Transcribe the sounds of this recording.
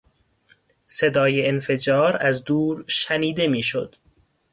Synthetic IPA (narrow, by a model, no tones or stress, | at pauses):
se̞d̪ɒːjeenfe̞d͡ʒɒːɾæzd̪uːɾʃæniːd̪e̞miːʃo̰d̪̥